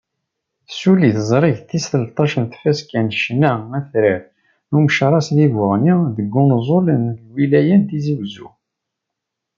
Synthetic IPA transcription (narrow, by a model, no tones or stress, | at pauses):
suliθzˤɾˤiʝθisəlt̪ˤɑʃənθfæskænʃnːææθɾæ | numəʃɾˤɑsðivəʁniðəɡːʊnzˤolənwilæjænt̪iziwzu